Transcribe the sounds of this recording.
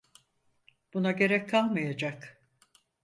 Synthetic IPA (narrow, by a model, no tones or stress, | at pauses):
b̥unaɟe̞ɾɛc̚kʰalˠmajad͡ʒak